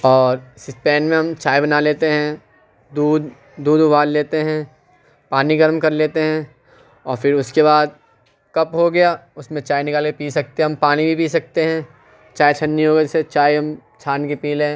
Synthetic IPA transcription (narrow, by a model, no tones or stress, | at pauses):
ɔːɾsɪspɛːnmẽɦɐ̃mt͡ʃaːibɐnaleːt̪eɦɛ̃ | d̪uːd̪ː | uːd̪ʊbʱaːlleːt̪eɦɛ̃ | paːniɡɐɾmkɐɾleːt̪eɦɛ̃ | ɔːɾfɪɾʊskeβaːd̪̚ | kɐpɦoɡɐjaʊsmẽt͡ʃaːjnɪkaːlkepiːsɐk̚t̪eɦɛ̃ɦɐmpaːnibʱipiːsɐk̚t̪eɦɛ̃ | t͡ʃaːjt͡ʃʰɐnːiɦoːɡɐset͡ʃaːjɦɐmt͡ʃʰaːnkepiːlɛ̃ː